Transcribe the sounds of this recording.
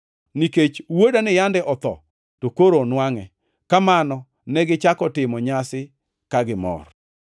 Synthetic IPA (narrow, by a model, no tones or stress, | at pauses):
niket͡ʃwodanɪjandɛʔɔt̪ɔ̰ | tokoɾonwaŋɛ | kamanɔ | nɛɡɪt͡ʃakɔtɪmɔɲasɪ | kaɡɪmɔ̰r